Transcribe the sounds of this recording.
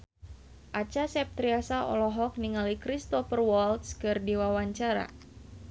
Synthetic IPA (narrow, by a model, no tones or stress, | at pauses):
ʔat͡ʃasɛp̚t̪ɾiasaʔɔ̰lɔɦɔk̚niŋalikɾist̪ɔfərwɔlt̪skɨrdiwawaɲt͡ʃaɾa̰